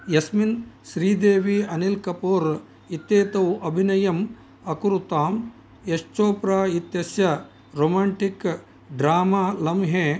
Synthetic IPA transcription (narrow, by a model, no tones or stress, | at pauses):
jɐsminʃɾiːd̪eːʋiɐnilkɐpoːɾ | it̪ːeːt̪ɐwɐbʱinɐjɐm | ɐkuɾut̪aːm | jeʃt͡ʃoːpɾaːit̪jɐsjɐ | ɾoːmaːɳʈik | ɖɾaːmaːlɐmɦeː